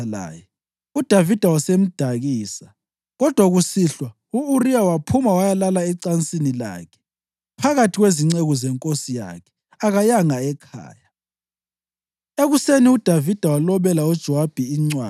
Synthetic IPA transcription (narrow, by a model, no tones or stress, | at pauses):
la̰ːjɛ | ud̥ʱavid̥ʱawasem̩d̥ʱaɣiːsa | ɣɔd̥ʱwaɣusiɬwa | uurijawapʰumawajalalaɛǀant͡sʼinila̰ːkʰɛ̥ | pʰaɣatʰiɣweziŋ͡ǀeɣɔzɛŋkʼosija̰kʰɛ̥ | aɣajaŋaɛkʰa̰ːja | eɣuseniud̥ʱavid̥ʱawalɔβɛlaud̥ʒ̥ʱɔwab̥ʱiːŋ͡ǀwaː